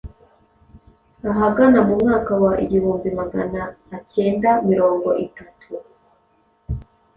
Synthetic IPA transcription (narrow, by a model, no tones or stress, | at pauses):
aɦaɡanamumŋaːkawaʔḭɟihuːmbimaɡa̰naːce̞ːndamiɾo̞ːŋɡo̞ʔitatʰu